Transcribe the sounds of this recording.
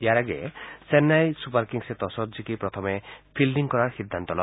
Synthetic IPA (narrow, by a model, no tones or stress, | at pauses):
jaɾaɡḛsenajsupaɾkiŋset̪ɔsɔd͡ʒikipɾɔt̪ʰɔmepʰilɖiŋkɔɾaɾxid̪ʱːant̪ɔlɔ